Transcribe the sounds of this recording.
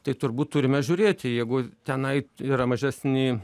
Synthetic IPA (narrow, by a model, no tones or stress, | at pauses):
t̪ɐɪt̪ʊrbuːt̪̚t̪ʊɾʲɪmʲɛʒʲʊːɾʲeːt̪ʲɪjɛɪɡʊt̪ʲɛnɐɪiːɾɐmɐʒʲæsʲnʲɪ